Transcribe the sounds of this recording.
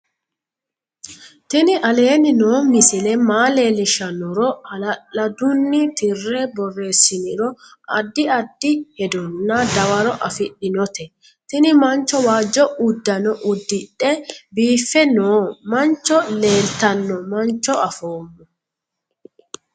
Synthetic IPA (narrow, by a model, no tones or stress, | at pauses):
t̪ɪnɪʔɐle̞ːnɪnoːmɪsɪlɛmaːle̞ːlɪʃɐnɔɾɔɐlɐʔɐd̪ʊnːɪt̪ɪrːɛbɔrːe̞ːsːɪnɪɾɔɐd̪ːɪɐd̪ːɪhɛd̪ɔnːɐd̪ɐwɐɾɔʔɐfɪɗːɪnɔt̪ɛ | t̪ɪnɪmɐnt͡ʃːɔwaːd͡ʒːɔʊd̪ːɐnɔʔʊd̪ːɪᶑɛbiːfːɛnoːmɐnt͡ʃːɔle̞ːlt̪ɐnːɔmɐnt͡ʃːɔɐfo̞ːmːɔ